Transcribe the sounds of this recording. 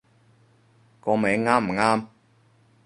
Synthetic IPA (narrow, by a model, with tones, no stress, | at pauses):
kɔː˧me˨˥˦ŋaː˥m̩˨˩ŋaː˥m